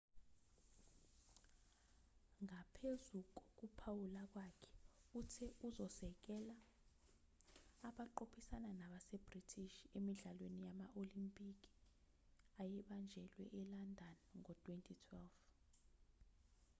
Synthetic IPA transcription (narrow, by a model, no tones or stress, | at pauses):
ŋapʰezuk̬ɔk̬upʰawulak̬wakʰɛ̥utʰɛuzɔsɛk̬ɛla | ɓaǃopʰisananaɓasɛb̥ritʰiʃemiɮalwenijamaʔolimpʼik̬i̥ | ajɛɓand͡ʒʱɛlwɛ̰ʔɛlandʱanŋɔtʰʼwentʰitʰwɛlf